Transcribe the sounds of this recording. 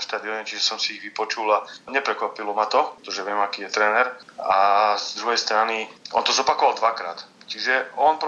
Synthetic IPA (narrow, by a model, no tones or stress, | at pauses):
ʃt̪aːd̪iɔɲɛt͡ʃiʒɛsɔmsiːɣʋipɔt͡ʃulaɲɛpɾɛkʋapilɔmat̪ɔɛt̪ɔʒɛʋɪɛmakiːjɛt̪ɾɛnɛɾazd̪ɾuɦɛjst̪ɾaniʔɔ̰nt̪ɔzɔpakɔʋalˠd̪ʋakɾa̰ːt̪t͡ʃiʒɛɔnp